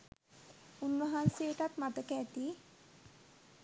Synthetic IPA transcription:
unːəɦanseːʈat̪mat̪əkeːt̪i

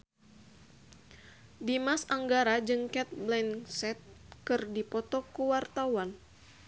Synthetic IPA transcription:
dimasaŋɡaɾad͡ʒɨŋkɛt̪̚blɛnsɛt̪̚kɨrdipɔt̪ɔkuwart̪awan

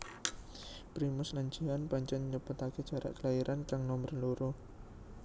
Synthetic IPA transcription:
pɾimʊsnaɲd͡ʒianpaɲt͡ʃɛnɲəpʊt̪aked̥ʒ̥a̤ɾʔa̰ʔkəlaiɾʔankaŋnɔmərloɾo

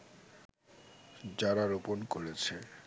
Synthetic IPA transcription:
d͡ʑaɾaɾoponkoɾet͡ɕʰe

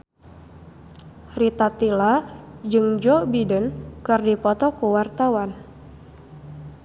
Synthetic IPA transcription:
rit̪at̪ilad͡ʒɨŋd͡ʒɔbidənkɨrdipɔt̪ɔkuwart̪awan

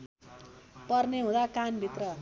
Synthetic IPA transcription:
pʌrneɦũd̪akanbʱit̪rʌ

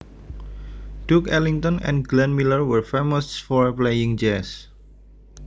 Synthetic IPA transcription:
d̥ukɛliŋt̪ɔ̃nɛ̰̃nɡlɛ̃nmiləɹwəɹfemɔstfɔɹplejɪ̃ŋd͡ʒɛs

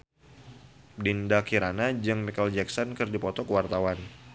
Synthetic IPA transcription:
dindakiɾanad͡ʒɨŋmikɔld͡ʒɛksɔnkɨrdipɔt̪ɔkəwart̪awan

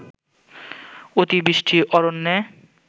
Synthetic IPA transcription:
ot̪ibɾiʃʈʰiʔɔɾonːɛ

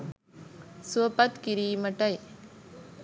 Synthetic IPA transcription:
suɐpɐt̪kɪɾimɐʈːɐj

